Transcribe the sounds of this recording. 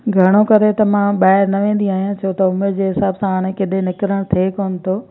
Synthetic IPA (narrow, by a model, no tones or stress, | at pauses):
ɡʱɐɽ̃okɐɾet̪ɐmãɓaːɦɪɾnɐʋẽːn̆d̪iaːɦijãt͡ɕʰoːt̪ɐʊmeɾd͡ʑeːɦɪsaːbsãaːɽ̃ẽkɪɗenɪkɾəɽ̃t̪ʰeːkoːnɪ̆t̪ʰoː